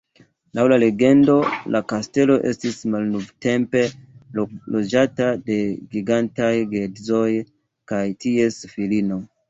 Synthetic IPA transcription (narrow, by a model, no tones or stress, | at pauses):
lawlale̞ɡe̞ndo̞lʔakaste̞lo̞ʔe̞̰stismalnovte̞mpe̞ | lod͡ʒatade̞ɡiɡantajɡedzo̞j | kajtie̞sfilino̞